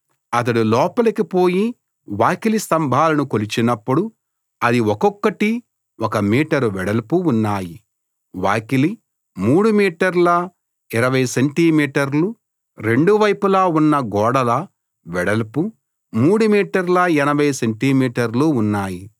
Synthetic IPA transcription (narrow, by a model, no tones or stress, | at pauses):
ɐt̪̬ɐɽulɔːpɐlɐkipo̞ːji | ʋaːkilist̪ɐmbʱaːlɐnukolit͡ʃinɐpːuɽu | ɐd̪iwɔkɔkːɐʈi | wɔkɐmiːʈɐɾʋɛɽɐlɐpuːnːaːji | ʋaːkili | muːɽumiːʈɐɾlɐ | iɾɐʋɐjseɳʈiːmiːʈɐɾlu | ɾe̞ɳɖuʋɐjpulaːunːɐɡɔːɽɐlɐ | ʋɛɽɐlɐpu | muːɽumiːʈɐɾlɐɛnɐbʱɐjseɳʈimiːʈɐɾluunːaːji